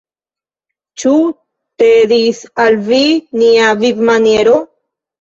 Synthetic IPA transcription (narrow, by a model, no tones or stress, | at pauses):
t͡ʃu | t̪edisalviniavivmanje̞ɾo̞